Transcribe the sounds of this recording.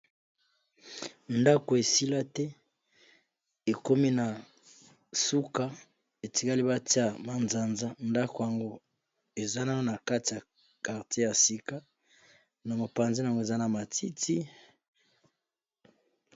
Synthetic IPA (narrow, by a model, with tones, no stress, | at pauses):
nda˦ko˨e˨si˦la˦tɛ˦ | e˨ko˦mi˦na˨ | su˦ka˦ | e˨ti˨˦ka˦li˦ba˦ti˦a˦ma˨nza˨nza˦nda˦ko˨ja˨ŋɡo˦ | e˨za˦na˦na˨ka˦ti˨ja˨ | ka˨ʁte˦ja˨si˦ka˦ | na˨mo˨pa˨nzi˦na˨ŋɡo˦e˨za˦na˨ma˨ti˦tʰi˦